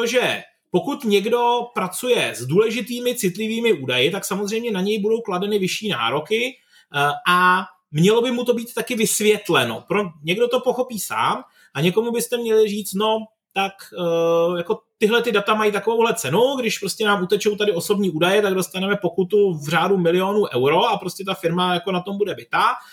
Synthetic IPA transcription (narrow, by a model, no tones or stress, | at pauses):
t̪oʒɛ | po̞kut̪ɲɛɡdo̞pɾat͡sujɛzduːlɛʒɪt̪iːmɪt͡sɪt̪lɪviːmɪuːdajɪt̪aksamozr̝ɛjmɲɛnaɲɛjbudo̞wkladɛnɪvɪʃiːna̰ːɾo̞kɪ | ʔa | mɲɛlo̞bɪmut̪o̞biːt̪t̪ːakɪvɪsvjɛt̪lɛno̞̰pɾoɲɛɡdo̞t̪o̞po̞xo̞piːsa̰ːm | ʔaɲɛko̞mubɪst̪ɛmɲɛlɪriːt͡st̪no̞ | t̪ak | jako̞t̪ɪɦlɛt̪ɪdat̪amajit̪ako̞vowɦlɛt͡sɛnuɡdɪʃpɾo̞scɛnaːmʔut̪ɛt͡ʃo̞wt̪adɪoso̞bɲiːʔuːdajɛt̪aɡdo̞st̪anɛmɛpo̞kut̪uvr̝aːdumɪlɪo̞nuːʔɛwɾo̞ʔapɾo̞scɛt̪afɪɾmajakonat̪o̞mbudɛbɪt̪a